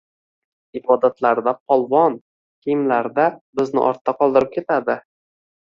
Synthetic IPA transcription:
ɪbɒd̪at̪ʰlaɾd̪apʰɒlˠvɒn | kʲʰejɪmlaɾd̪abɪznɪ̰ʔɒ̰ɾt̪ʰːaqʰɒlˠd̪ɪɾɪp̚kʲe̞t̪ʰad̪ɪ

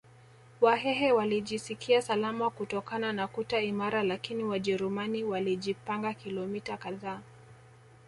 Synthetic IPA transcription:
waɦɛɦɛwaliʄisikʰiasalamakutɔkananakutaimaɾalakiniwaʄɛɾumaniwaliʄipaŋɡakilɔmitakaðaː

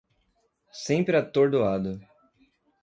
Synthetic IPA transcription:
sẽmpɾɪat̪oɾd̪oad̪ʊ

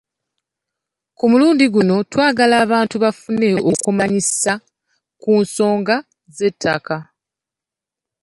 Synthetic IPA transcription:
kumuluːndiɡuno̞twaːɡalaːβaːntuβafune̞ʔo̞kumaɲisa | kuːnso̞ːŋɡa | ze̞tʰːa̰ka

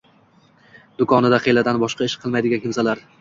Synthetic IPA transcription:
d̪ʊkʰɒnɪd̪aqʰejlad̪anbɒʃqɑɪʃqʰɨlˠmajd̪ɪɡʲakʲɪmsalaɾ

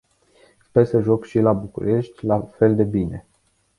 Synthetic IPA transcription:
spesəʒo̞kʃilabukṵɾe̞ʃt̪ʲlafe̞ld̪e̞bine̞

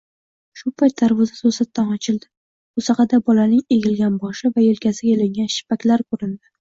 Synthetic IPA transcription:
ʃʊpʰajt̪̚ʰːaɾvɒzasosat̪ːanɒt͡ʃʰɪld̪ɪ | ʊsɑqʰɑd̪abɒlanɪŋeɡʲɪlɡʲanbɒʃɪvajelkʲʰasɪɡʲaelɪŋɡʲanʃɪ̥pakʲlaɾkʰɵɾɪnd̪ɪ

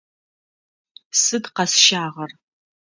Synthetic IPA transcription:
sɨdqɐsʃaːʁɐr

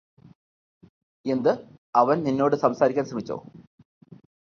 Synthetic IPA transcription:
e̞nd̪ɨ | ɐʋɐnninːo̞ːɽɨsɐmsaːɾikʲːaːnsrɐmit͡ɕːo̰ː

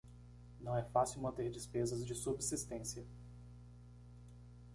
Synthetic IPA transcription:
nɐ̃w̃ɛfasiwmɐ̃nt̪eɾd͡ʒɪspezɐzd͡ʒɪsubsist̪ẽsiɐ

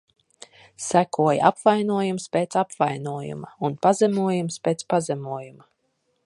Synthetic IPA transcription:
sækuɔjaa̰pvajnuɔjumspeːt̪sapvajnuɔjṵmaunpazɛmuɔjumspeːt̪spazɛmuɔjuma

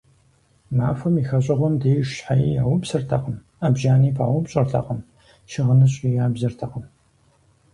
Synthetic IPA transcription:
maːfɐmiːxɐɕ̬ʼɐʁʷɔmdeːʃħajija̰ːwʷʊbsɨrtʰɐqəm | abʒaːniːpʰa̰ːwʊbɕʼɐrɬʰɐ̰qəm | ʃɪʁənɨɕʼijaːbzɐrtʰɐqəm

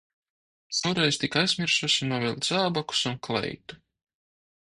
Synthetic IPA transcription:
sawɾɛjzt̪ikajz̥mʲiɾʃuʃinuɔvilˠd̪z̥aːbaku̥sunklˠɛ̰jt̪u̥

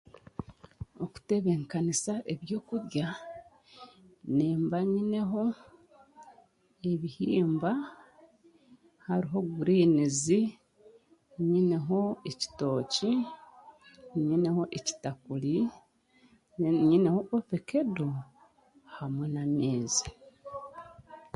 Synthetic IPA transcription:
oku̥teβeŋkanisaʔe̞βjo̞ːkuɾja | niːmbaɲine̞ɦo̞ | eβihiːmba | haɾiɦo̞ɡuɾiːnizi | ɲine̞ɦo̞eci̥to̞ːci | ɲine̞ho̞ʔeci̥takuli | ɲineho̞ʔofeke̞do | hamwenameːzi̥

